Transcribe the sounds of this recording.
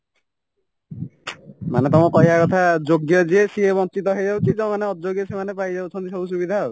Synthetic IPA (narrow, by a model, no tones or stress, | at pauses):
manɛt̪ɔmɔkɔɦiakɔt̪ʰad͡ʒoɡjɔd͡ʒiesiebɔŋtit̪ɔɦejzawt͡ʃizɔmanɛɔd͡ʒoɡijɔsemanɛpajzabsʰɔnt̪isɔbus̬ubid̪ʱaɦɔ